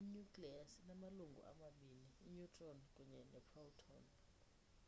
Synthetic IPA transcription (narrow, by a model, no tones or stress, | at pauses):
iɲukʼliasnamaluŋɡʱṵʔa̰maɓiniːɲutʰʼɔnkʼuɲɛnɛpʰɔltʰɔn